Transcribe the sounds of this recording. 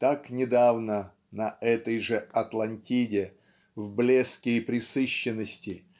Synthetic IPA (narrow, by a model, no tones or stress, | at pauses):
t̪aknʲɪd̪avnə | nɐɛt̪əjʐɨɐt̪lˠɐnʲtʲidʲɪ | vblʲeskʲɪːpɾʲɪsɨɕːɪnːəsʲtʲɪ